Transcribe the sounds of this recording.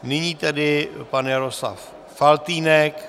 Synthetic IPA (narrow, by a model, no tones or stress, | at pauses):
nɪɲiːt̪ɛdɪpanjaɾosla̰fː | alt̪iːnɛk